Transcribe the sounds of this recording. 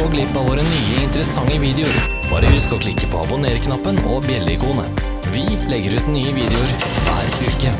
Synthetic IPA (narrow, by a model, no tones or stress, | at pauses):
ɔɡlɪpːɑʋoːɾənyːəɪnt̪əɾəsɑŋːəʋiːd̪ɛʊɾ | bɑ̰ːɾəhʉskɔkʰlɪkːəpʰɔːɑbʊneːɾəkʰnɑpːənɔ̰bjɛlːəɪkʰuːnə̰ | ʋɪlɛɡːəɾʉːt̪nyːəʋiːd̪ɛʊɾ | ʋæ̰ːɾʉːkə